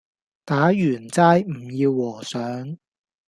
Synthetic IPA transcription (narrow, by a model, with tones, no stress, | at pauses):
t̪aː˨˥jyː˨˩nt͡saː˧˥jm̩˨˩jiː˧wːɔː˨˩sœː˨˥ŋ